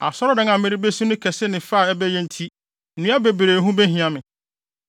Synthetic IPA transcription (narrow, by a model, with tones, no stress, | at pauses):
a̰˨sɔ˦ɾɔ˦dɪ̃˦ŋã˨mɪ̃˦ɾi˦be˦si˦nʊ̃˦kʰɛ˨sɪ˦nɪ̃˨fa˦˨ɛ˦bɛ˦jɛ̃˦n̩˦tʰi˦˨ | nũ˦a˦be˨bɾeː˨ɦũ˦bɛ˦hĩ˨ã˦mɪ̃˨